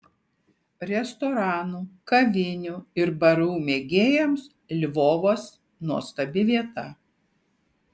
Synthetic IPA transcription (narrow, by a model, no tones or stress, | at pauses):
ɾʲɛst̪ɔɾɑːnuːkɐʋʲɪnʲʊɪɾbɐɾuːmʲeːɡʲeːjɛms | lʲʋoːʋoːs | nuɔst̪ɐbʲɪʋʲiɛt̪ɐ